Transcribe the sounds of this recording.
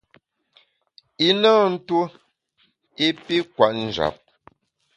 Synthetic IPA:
i˦naː˦n̩˦tu˦ | i˦pi˦kwa˨ʔn̩˨d͡ʒa̰˨p̚

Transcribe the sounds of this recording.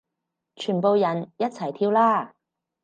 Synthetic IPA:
t͡ʃʰyː˨˩npo˨˧wjɐ˨˩njɐ˥t̚t͡sʰɐ˨˩jt̪ʰiː˧wlaː˥

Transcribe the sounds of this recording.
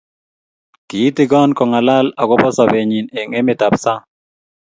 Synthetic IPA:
ki˨i˦tɪ˦ɡɔ˦nkɔ˨ŋa˨la˦la˨ɡɔ˦pɔ˦sɔ˨be˨ɲi˨ne˨ŋe˦mɪ˨ta˨psa˦

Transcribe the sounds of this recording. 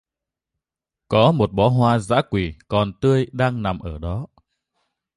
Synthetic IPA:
kɔ˨˦mo˨˩t̚ɓɔ˨˦ɦwaː˧za̰ː˧˥kwi˧˩kɔ˨˩nt̪ɨ˧əjɗaː˧ŋna˨˩mʔəː˧˩ɗɔ˨˦

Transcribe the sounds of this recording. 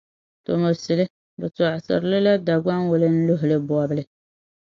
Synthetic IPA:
to˨mo˨sɨ˨lɨ˦ | bɨ˨tɔ˨ʔsɨ̰˨ɾlɨ˦la˦da˨ɡ͡ba˦nwʊ˨lɨ˦n̩˦lʊ˦ɦʊ˨lɨ˦bɔ˨a˨bɨ˦lɨ˨˦

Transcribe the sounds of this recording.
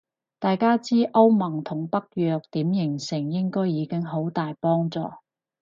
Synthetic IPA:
t̪aː˨jkaː˥t͡siː˥ʔɐ˥wmɐ˨˩ŋt̪ʰʊ˨˩ŋpɐ˥k̚jœː˨˧k̚t̪iː˨˥mjɪ˨˩ŋsɪ˨˩ŋjɪ˥ŋkɔː˥jjiː˨˧kɪ˥ŋɦo˨˥wt̪aː˨jpɔː˥ŋt͡sɔ̰ː˨

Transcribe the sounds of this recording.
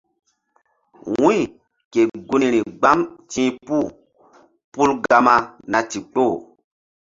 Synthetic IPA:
wwũ˦i˨ | ke˨ɡu˦ni˨ɾi˨ɡ͡ba˦mtĩ˦pu˦˨ | pu˦lɡa˧ma˧na˨ti˨k͡po˦˨

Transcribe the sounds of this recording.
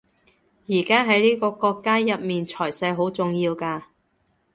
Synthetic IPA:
jiː˨˩kaː˥ɦɐ˨˥jliː˥kɔː˧kɔː˧kːaː˥jɐ˨t̚miː˨nt͡ʃʰɔː˨˩jsɐ˧jɦo˨˥wt͡sʊ˨ŋjiː˧wkaː˧

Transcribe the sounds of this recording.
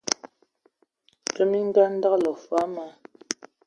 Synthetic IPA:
tə˦mi˦ŋ˦ɡa˦n̩˦da˦klɔ˨fa˨˦ma˦

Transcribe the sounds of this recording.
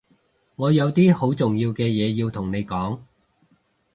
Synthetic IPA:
ŋɔː˨˧jɐ˨˧wt̪iː˥ho˨˥wt͡sʊ˨ŋjiː˧wkɛː˧jɛː˨˧jiː˧wt̪ʰʊ˨˩ŋne˨˧jkɔː˨˥ŋ

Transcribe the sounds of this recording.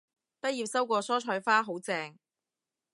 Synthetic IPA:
t̪ɐ˥t̚jiː˨˩p̚sɐ˥wkʷɔː˧sɔː˥t͡ʃʰɔː˧jfaː˥ɦo˨˥wt͡sɛː˧ŋ

